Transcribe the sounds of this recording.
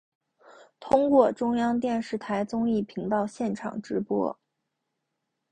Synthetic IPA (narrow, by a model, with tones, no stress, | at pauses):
t̪ʰʊ˥ŋkwɔ˥˩ʈ͡ʂʊ˥ŋjɑ˥ŋt̪̬jɛ˥˧nʂɻ̩˥˩t̪ʰa˧˥ɪt͡sʊ˥ŋi˥˩pʰi˧˥ŋt̪ɑ˥˧ʊɕjɛ˥˩nʈ͡ʂʰɑ̰˨˩ŋʈ͡ʂɻ̩˧˥pwɔ̰˥